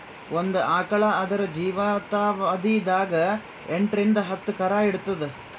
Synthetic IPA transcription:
ʔond̪uʔaːkɐɭɐɐd̪ɐɾɐd͡ʒiːʋɐt̪aːʋɐd̪id̪aːɡɐ | eɳʈɾind̪ɐɦɐt̪ːukɐɾaːiɽut̪ːɐd̪e

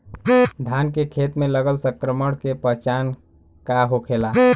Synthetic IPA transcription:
d̪ʱankekʰet̪meləɡəlsə̃kɾəməɽkepəɦt͡ʃan | kaɦokʰela

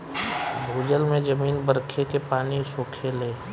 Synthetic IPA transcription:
bʱuːd͡ʒəlmẽd͡ʒəmiːnbəɾkʰekepaːnisoːkʰeleː

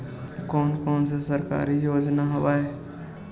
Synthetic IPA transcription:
koːnkoːns̬esəɾka̰ːɾijoːd͡ʒnaɦɐʋaːe

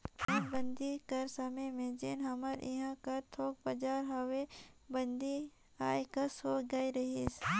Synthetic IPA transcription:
ɐɾbə̃nd̪ikɐɾsɐmemẽd͡ʒɪnɦɐməɾɪ̰ɦãkɐɾt̪ʰoːk̚bɐd͡ʒaːɾɦɐwebɐnd̪i | aːjkɐsoːɡaːiɾɐɦis

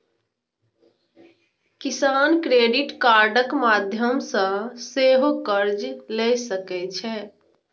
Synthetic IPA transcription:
kisaːnkɾeɖiʈkaɾɖəkmad̪ʱjəmsə̃seɦokəɾd͡ʒlɛsəkɛt͡ʃʰɛ

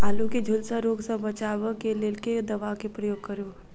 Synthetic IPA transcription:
aːluked͡ʒʱʊlsə̃ɾoːɡsə̃bət͡ʃaːʋəkeleːlked̪ɐʋakepɾəjoːɡ̚kəɾo

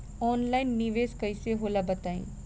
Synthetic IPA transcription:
ɔːnlaːɪnːiʋeːskəiseɦoːlabət̪aːḭ̃ː

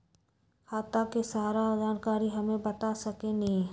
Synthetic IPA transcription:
xaːt̪akesaːɾad͡ʒaːnkaːɾiɦɐmẽbɐt̪asɐkenĩ

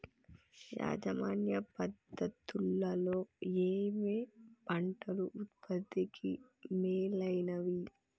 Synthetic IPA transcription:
ja̰ːd͡ʒɐmaːnjɐpɐd̪ːɐt̪ulɭːɐlo̞ːeːmeːbɐɳʈɐluʔut̪pʰɐd̪ːikimeːlɐjnɐʋi

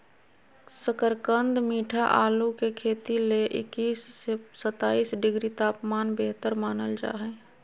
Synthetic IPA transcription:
səkəɾkənd̪miːʈʰaʔaːlukekʰeːt̪ileʔɪ̰kiːssət̪aːiːsɖɪɡɾit̪aːpmaːnbeɦt̪əɾmaːnəld͡ʒa̰ːɦɛ̃ː

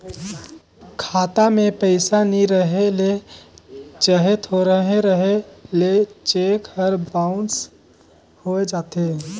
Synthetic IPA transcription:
kʰaːt̪amẽpəɪsaniɾəɦele | t͡ʃəɦet̪ɦoɾəɦẽɾəɦelet͡ʃekhəɾbaʊns | hoed͡ʒaːt̪e

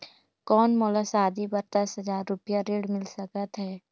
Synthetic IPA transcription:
kɔːnmɔːləsaːd̪ibɐɾt̪ɐsɦɐzaːɾːʊpjaɾeːɽmɪlsəkət̪ɦɛː

